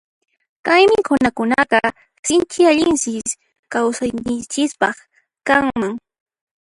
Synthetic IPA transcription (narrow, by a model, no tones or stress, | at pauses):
kajmɪkʊnakʊnaqɑ | sɪnt͡ʃɪaʎɪnsɪ | kawsajɲɪnt͡ʃɪspɑχ | kaŋmaŋ